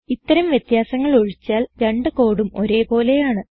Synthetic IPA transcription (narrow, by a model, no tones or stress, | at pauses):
it̪ːɐɾɐmʋjet̪jaːsɐŋːɐɭoɻit͡ɕːaːlɾeɳɖɨko̞ːɽumo̞ɾe̞ːpo̞ːle̞jaːɳɨ